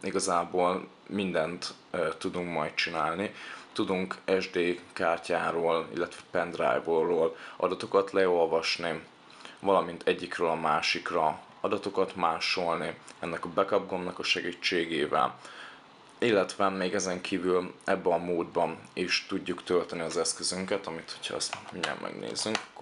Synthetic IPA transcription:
iɡɒzaːboːl | mind̪ɛnt̪ | t̪ːud̪uŋkmɒjt̪̚t͡ʃinaːlnit̪ud̪uŋkɛʒd̪eːkaːrcaːɾoːlḭlːɛt̪ʋɛpɛnd̪ra̰jvoroːlɒ̰d̪ɒt̪o̞kɒt̪lɛo̞lvɒʃni | vɒlɒmint̪ʰɛɟːikrøːlɒmaːʃikrɒ | ɒd̪ɒt̪o̞kɒt̪maːʃo̞lniɛnːɛkɒbɛkɒb̚ɡo̞mnɒkɒʃɛɡiːt͡ʃːeːɡeːvɛ̰l | ilːɛt̪ʋɛmeːɡɛzɛŋkʰiːvylɛbːɛɒmoːd̪̚bɒneːʃt̪uɟːukt̪ølt̪ɛniɒzɛskø̞zyŋkɛt̪ɒmit̪ho̞̥chɒ̰ɛ̰st̪miɲɛ̰mʔɛ̰ɡnḛːzyŋkkː

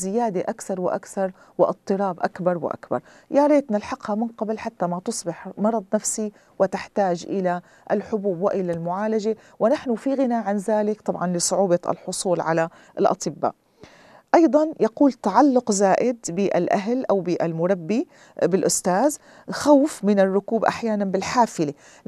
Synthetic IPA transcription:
zɪjaːd̪eʔakθɑɾˤwɪʔa̰kθɑɾˤ | wɪʔɨt̪ˤːɨɾɑːbʔakbɑɾˤwɪ̰ʔa̰kbɑ̰ɾˤ | jaɾˤeːt̪nɪlħɑqhamɪnqɑblħat̪ːamat̪ʊsˤbɪħmɑɾˤɑd̪ˤnafsi | wɪt̪ɪħt̪aːd͡ʒʔɪla | ʔɪlħʊbuːbwɪʔɪlalmʊʕaːlad͡ʒe | wɪnaħnʊfiɣɪnaːʕanzaːlɪkt̪ˤɑbʕɑnlɪsˤʊʕuːbɑɪ̰lħʊsˤuːlʕala | ʔɪlʔɑ̰t̪ˤɨbːa̰ːʔ | ʔɑjd̪ˤɑnjɑquːlt̪aʕalːʊqzaːʔɪd̪bɪʔa̰lʔaɦlʔawbɪʔalmʊɾˤabːi | bɪlʔʊst̪aːz | xawfmɪnɪrˤːʊkuːbʔa̰ħjaːnanbɪlħaːfɪle

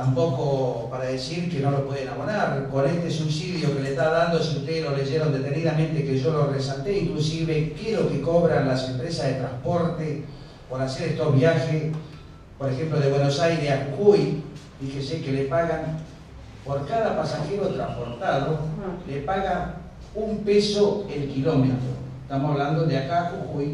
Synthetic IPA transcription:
t̪ampo̞kopaɾaðesiɾkeno̞lopweðenaβonaɾko̞nest̪esusiðjoke̞let̪aðand̪osiuht̪eðeloleʒeɾo̞nd̪et̪eniðamẽnt̪ekeʒo̞lo̞resalt̪eiŋklusiβekjeɾo̞keko̞βɾanlase̞mpɾesazðet̪ɾampo̞ɾt̪e | poɾaseɾest̪ozβjaxes | poɾexe̞mploð̞eβwenosajɾesaxukuj | ikesekelepaɣaŋ | poɾkaðapasaxe̞ɾo̞t̪ɾa̰mpo̞ɾt̪aðolepaɣa | umpeso̞elkilo̞met̪ɾo̰et̪amosaβland̪oðeakaxuxuj

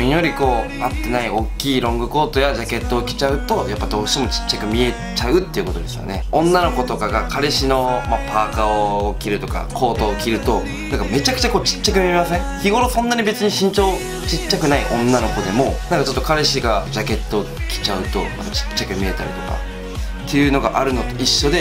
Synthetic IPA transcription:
ijo̞ɾʲiko̞ː | at̪ːe̞naio̞kʲːiːɾõ̞ŋɡɯ̟ko̞ːt̪o̞jad͡ʑake̞t̪ːo̞ːkʲi̥t͡ɕaɯ̟t̪o̞japːad̪o̞ːkɯɕt̪e̞mo̞t͡ɕi̥t͡ɕːakɯ̟mʲie̞ | t͡ɕaɯ̟t̪ːe̞jiɯ̟ko̞t̪o̞d̪e̞sɨjoneõ̞nːano̞ko̞t̪o̞kaɡakʰaɾeɕino̞mapʰaːkaokʲiɾɯ̟t̪o̞ka̰kʰo̞ːt̪o̞ːkʲiɾɯ̟t̪o̞ | nãŋkame̞t͡ɕakɯ̟̥t͡ɕako̞ːt͡ɕi̥t͡ɕːakɯ̟mʲiemasẽ̞ŋçiɡo̞ɾosõ̞nːaɲ̟ibe̞t͡sɨɲ̟iɕĩɲ̟t͡ɕo̞ː | t͡ɕit͡ɕːakɯ̟naiʔõ̞nːano̞ko̞d̪e̞mo̞nãŋkat͡ɕo̞t̪ːokaɾeɕiɡad͡ʑake̞t̪ːo̞ːkʲi̥t͡ɕaɯ̟t̪o̞̰ja̰pːat͡ɕi̥t͡ɕːakɯ̟mʲie̞t̪a̰ɾḭt̪o̞ka̰ | t̪ʰːe̞jɯ̟no̞ɡaʔaɾɯ̟no̞t̪o̞iɕːo̞d̪e̞

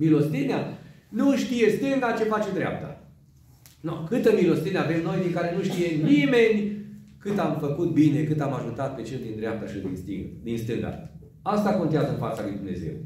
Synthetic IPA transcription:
milost̪ineanuʃt̪ije̞st̪ɨŋɡat͡ʃe̞fat͡ʃed̪ɾea̰p̚t̪a̰ | nokɨt̪əmilost̪ineave̞mno̞jd̪iŋkaɾe̞nuʃt̪ije̞nime̞nʲkɨt̪amfəkut̪̚bine̞kɨt̪amaʒut̪at̪̚pe̞t͡ʃeld̪ind̪ɾeap̚t̪aʃid̪ḭnst̪ḭŋd̪inst̪ɨŋɡa̰ | ast̪ako̞nt̪eazənfat̪salujd̪umne̞̰ze̞̰w

